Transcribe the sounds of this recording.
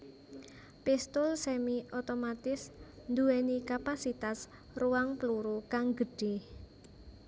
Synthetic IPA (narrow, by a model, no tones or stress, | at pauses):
pɪst̪ʊlsɛmiot̪omat̪ɪsnd̪uɛnikapasit̪as | ruwaŋpəluɾukaŋɡəɖ̥e